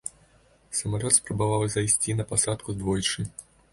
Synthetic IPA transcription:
sɐmalʲɔt̪spɾɐbavawzajsʲt͡sʲinɐpasat̪kuzd̪vɔjt͡ʂɨ

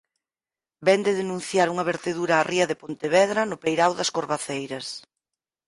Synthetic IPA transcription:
bɛnd̪eðenũn̟θjaɾuŋɐβeɾt̪eðuɾaːrʔiɐðepont̪eβɛðɾɐnʊpejɾawðɐskoɾβaθejɾɐs

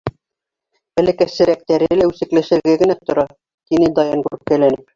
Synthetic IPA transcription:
æ̆lɘ̆kæsɘ̆ɾæk̚t̪æɾɘ̆læʉsɘ̆klɘ̆ʃɘ̆ɾɡɘɡɘ̆næt̪ŏɾɑ | t̪inɘd̪ɑjɑnɡuɾɘp̚kælænɘp̚

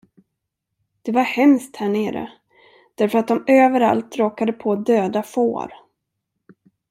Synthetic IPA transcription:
d̪̥ɛvaɾhɛmst̪hæːɳeːɾə̰ | d̪̥æɾfœɾat̪̚d̪ɔmøːvəɾa̰lt̪ɾoːkad̪əpʰoːd̪øːd̪afo̰ːɾ

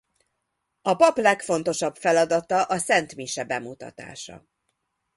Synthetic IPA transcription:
ɒpɒplɛkfo̞n̪t̪o̞ʃɒbfɛlɒd̪ɒt̪ɒʔɒsɛnt̪miʃɛbɛmut̪ɒ̰t̪a̰ːʃɒ̰

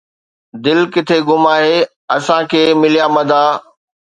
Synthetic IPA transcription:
d̪ɪlkɪt̪ʰeɡʊmaːɦeː | ɐsãkʰeːmɪlijamɐ̃d̪aː

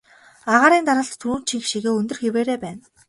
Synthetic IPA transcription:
aʁaːɾiːnt̪aɾə̆ɬt̪ʰːuːnt͡ɕʰiŋxʃiɣeːɵnt̪ɵ̆rxeweːɾeːpæːn

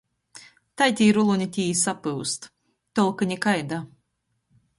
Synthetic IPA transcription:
t̪ajt̪ʲiːɾulˠunʲit̪ʲiːjisapɨwst̪ | t̪ɔlˠkanʲikajd̪a

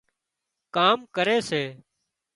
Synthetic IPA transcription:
kaːmkəɾeːseː

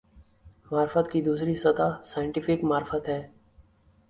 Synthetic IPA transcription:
maːɾfət̪kid̪uːsɾisət̪aːsaːɪ̃ɳʈɪfɪkmaːɾfət̪ɦɛː

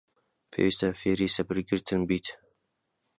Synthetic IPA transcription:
pʰḛːwist̪ʰafeːɾisɐbɨɾɡɨɾt̪ʰɨnbiːt̪ʰ

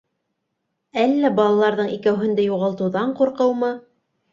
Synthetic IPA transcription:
ælːæbɑlˠɑlˠɑɾðɤɴikæwɦɘ̆nd̪æjuʁɑlˠt̪ɤ̆wðɑɴquɾqɤwmɤ

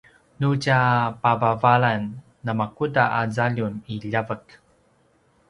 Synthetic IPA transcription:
nucapavavaɭanː | amakudaʔazaʎuniʎavək

